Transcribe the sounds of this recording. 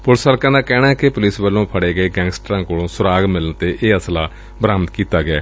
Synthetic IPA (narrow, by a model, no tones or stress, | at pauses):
pʊlsaːlkãːnãːkɛːnaːkɪpʊlɪsbəlːõːpʰəɽeːɡəeːɡɛ̃ːŋɡsʈɾãːkoːlõːsʊɾaːɡmɪlənt̪eːʔeːəslaː | bɾaːmt̪kiːt̪aːɡɪɛ̰ː